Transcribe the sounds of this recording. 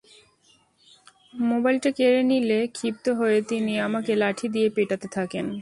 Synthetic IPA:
mobajlʈakeɾenilekʰip̚t̪oɦoet̪iniamakelaʈʰid̪ijepeʈat̪et̪ʰaken

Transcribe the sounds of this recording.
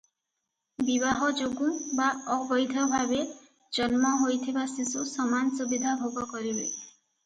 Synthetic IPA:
biβaɦɔd͡ʒoɡubaɔbɔjd̪ʱɔbʱabe | d͡ʒɔnmɔɦojt̪ʰibasisusɔmansubid̪ʱabʱoɡɔkɔɾibe

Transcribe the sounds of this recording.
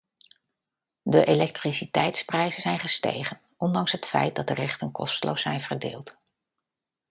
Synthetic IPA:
dəʔelɛk̚trisitɛjtsprɛjzənzɛjnχəstḛjχən | ʔɔndɑŋsɦətfɛ̰jt̚dɑdərɛχtənkɔstəlʔo̰wsɛjnvəɹdḛːlˠt

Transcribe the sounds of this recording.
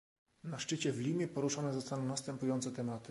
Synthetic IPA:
naʂt͡ʂɘt͡ɕɛvlʲimʲjɛpɔɾuʂanɛzɔst̪anɔ̃w̃nast̪ɛmpujɔnt̪sɛt̪ɛmat̪ɘ

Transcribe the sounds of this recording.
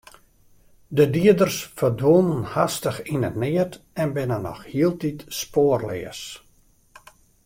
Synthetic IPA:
dədiədərsfərdʋonənhastəxinə̰tnɪərtɛnbɪnənɔ̰xhiəlˠtitspoərlɪ̰əs

